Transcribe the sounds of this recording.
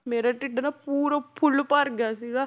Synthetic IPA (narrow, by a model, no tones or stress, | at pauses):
meːɾaːʈɪɖnaːpuːɾapʰʊlpəɾɡjaːsiːɡaː